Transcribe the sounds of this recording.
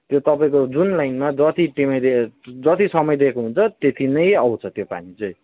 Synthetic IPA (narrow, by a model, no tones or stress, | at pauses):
t̪jot̪ʌpaĩkod͡zunlajnmad͡zʌt̪ʰiʈimʌjd̪ed͡zʌt̪ʰisʌmʌjd̪ekoɦunt͡sʰʌt̪et̪ʰinʌjʌwt͡sʰʌt̪jopa̰nit͡sʌj̃